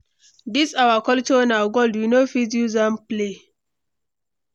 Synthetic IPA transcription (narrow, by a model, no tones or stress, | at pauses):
disawakɔltɔnawɡoldwinofiduzãmple